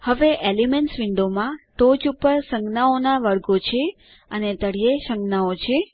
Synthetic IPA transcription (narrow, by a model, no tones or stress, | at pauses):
həʋeʔelimeɳʈsʋɪɳɖomãʈod͡ʒupəɾsə̃ŋɡnaonaʋəɾɡot͡ʃʰe | ənet̪əɽijeʃəŋɡnaot͡ʃʰe